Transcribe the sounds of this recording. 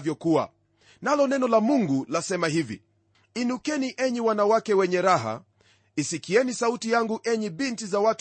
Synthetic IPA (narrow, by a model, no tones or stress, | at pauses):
vjɔkua̰ | nalɔnɛnɔlamuŋɡulasɛmaɦivḭ | inukɛniʔɛɲiwanawakɛwɛɲɛɾaɦa̰ | isikiɛnisautijaŋɡuʔɛɲiɓintizawat